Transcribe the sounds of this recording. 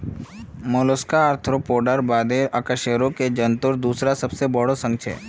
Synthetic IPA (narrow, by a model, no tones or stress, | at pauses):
moloskaəɾt̪ʰɾopoːɖəɾbaːd̪eɾəkəʃeɾõked͡ʒənt̪ʊɾd̪uːsɾasəbsebəɽosə̃ŋɡ̚t͡ʃʰḛː